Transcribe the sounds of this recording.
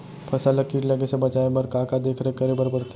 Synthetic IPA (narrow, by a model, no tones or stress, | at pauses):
pʰɐsalɐkːiʈlɐɡesebɐt͡ʃaːebɐɾkaːkad̪eːkʰɾekɐɾebɐɾbɐɽt̪